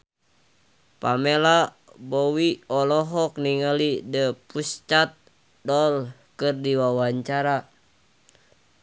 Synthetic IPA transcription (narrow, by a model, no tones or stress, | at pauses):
pamela | bowiɔlɔɦɔk̚niŋəlidəpust͡ʃat̪̚ | dɔlkɨrdiwawaɲt͡ʃaɾa